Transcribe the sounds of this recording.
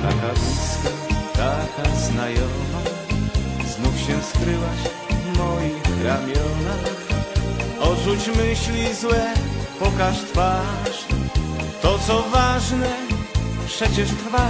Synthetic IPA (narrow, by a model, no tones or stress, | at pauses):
t̪a̰kavʲiskat̪ak̪aznajɔma | znufɕɛskɾɘwaɕ | vmɔjixɾamʲjɔnax | ɔʐut͡ɕmɘɕlʲizwɛpɔkaʂt̪faʂ | t̪ɔt̪sɔvaʐnɛpʂɛt͡ɕɛʂt̪ɾfa